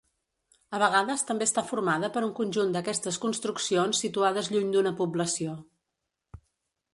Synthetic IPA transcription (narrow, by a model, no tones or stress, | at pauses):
əβ̞əɣaðəst̪əmbest̪afurmaðəpəɾuŋkunʲʒund̪əkɛst̪əskunst̪ɾuksionsːit̪uaðəzʎuɲd̪unəpubləsio